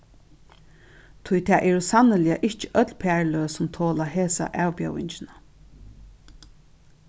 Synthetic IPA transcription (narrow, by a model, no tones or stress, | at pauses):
t̪ʰʊjt̪ʰɛːʔɛːɹʊsanəlɪaʔɪht͡ʃə̥ʔœt̪lpʰæːɹløːsʊmt̪ʰoːlaɦeːsa̰ʔæːwpjœwɪ̰ɲt͡ʃɪna